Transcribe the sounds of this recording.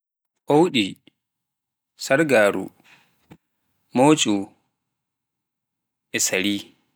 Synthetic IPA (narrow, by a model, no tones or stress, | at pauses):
ʔowɗi | saɾɡaːɾṵ | moːt͡ʃʼu | ʔɛsaɾiː